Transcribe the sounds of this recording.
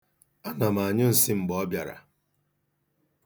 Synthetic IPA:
a˦na˨m˨a˨ɲʊ˦n̩˨si˦m̩˨ɡ͡bɔ˦bja̰˨ɾa̰˨

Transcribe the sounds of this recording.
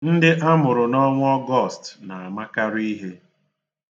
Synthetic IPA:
n̩˦dɪ˦ʔa˦mʊ˨ɾʊ˨nɔ˦ŋʷ˦ɔ˦ɡɔ˦˨stna˨a˨ma˦ka˦ɾi˦ɦe˦

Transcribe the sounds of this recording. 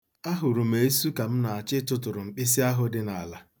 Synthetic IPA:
a˦ɦʊ˨ɾu˨m̩e˨˦su˦ka˨m̩˦na˨a˨t͡ʃɪ˦tʊ˦tʊ˨ɾʊ˨ŋ͡m̩˨k͡pɪ˦s̬i˦a˦ɦʊ˦dɪ˦na˨a˨la˦

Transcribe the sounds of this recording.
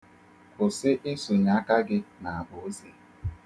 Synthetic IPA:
kʊ˨sɪ˦ʔɪ˦su˨ɲa˦ka˦ɡɪ˦na˨a˨bʊ˨o˦zi˨

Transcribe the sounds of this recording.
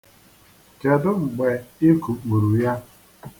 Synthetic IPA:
ke˨dʊ˦ŋ͡m̩˨ɡ͡be˨ɪ˦ku˨k͡pu˨ɾu˨ja˦

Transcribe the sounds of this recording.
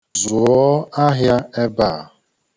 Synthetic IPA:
zʊ˨ɔ˦a˦ɦja˦e˦ba˦˨

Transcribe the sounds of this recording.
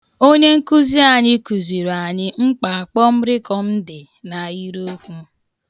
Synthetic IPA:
o˦ɲe˦ŋ̩˦ku˦zi˦a˨ɲɪ˦ku˨zi˨ɾa˨ɲɪ˦ŋ͡m̩˦k͡pa˨a˨k͡pɔ˦m̩˦ɾɪ˦kɔ˦m̩˦dɪ˨ | na˨i˦ɾo˦kʷu˦

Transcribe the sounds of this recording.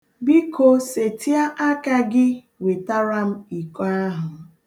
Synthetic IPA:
bi˦ko˦se˨ti˦a˦ʔa˦ka˦ɡɪ˦ | we˨ta˦ɾa˦m̩˦i˨kɔ˦a˦ɦʊ˨

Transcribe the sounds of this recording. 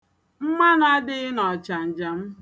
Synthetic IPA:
m̩˦ma˦n˦a˦dɪ˦nɔ˨t͡ʃa˨n̩˨d͡ʒa˨m̩˦

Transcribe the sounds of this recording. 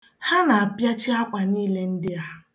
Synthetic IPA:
ha˦na˨a˨pja˦t͡ʃɪ˦a˦k͡pa˨niː˦le˦n̩˦dɪ˦a˦

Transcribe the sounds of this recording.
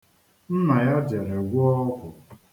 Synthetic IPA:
n̩˦na˨ja˦de˨ɾe˨ɡʷʊ˦ɔ˦kʷʊ˨

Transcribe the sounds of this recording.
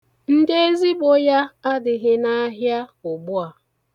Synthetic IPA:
n̩˦de˦e˦zi˦ɡ͡bo˦ja˦a˦dɪ˨ɣɪ˦na˦ɦja˦ʊ˨ɡ͡bʊ˦a˨

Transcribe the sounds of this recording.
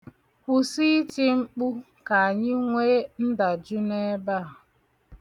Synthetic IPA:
ku˦si˦ti˦ŋ͡m̩˦k͡pu˦ | ka˨a˨ɲɪ˦ŋʷe˦n̩˦da˨d͡ʒu˦ne˦ba˦˨

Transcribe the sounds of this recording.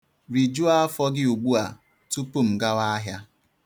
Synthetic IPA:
ɾi˨d͡ʒu˦a˦a˦fɔ˦ɡɪ˦u˨ɡ͡bu˦a˨ | tu˦pu˦˨m̩˨ɡa˦wa˦ɦja˦

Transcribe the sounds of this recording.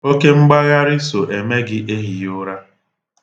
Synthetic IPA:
o˦ke˦ŋ͡m̩˦ɡ͡ba˦ɣa˦ɾɪ˦so˨ʔe˨me˦ɡɪ˦ʔe˦ɦi˨jʊ˦ɾa˦

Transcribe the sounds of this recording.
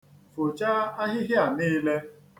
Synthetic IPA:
fo˨t͡ʃa˦a˦ɦɪ˦ɦɪ˦a˨niː˦le˦

